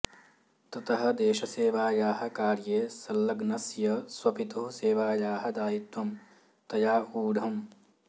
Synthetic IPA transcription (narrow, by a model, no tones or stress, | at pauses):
t̪ɐt̪ɐɦɐ̆d̪eːʃɐseːʋaːjaːɦɐ̆kaːɾjeːsɐlːɐɡnɐsjɐswɐpit̪ɐɦuseːʋaːjaːɦɐd̪aːjit̪wɐm | t̪ɐjaːuːɽʱɐm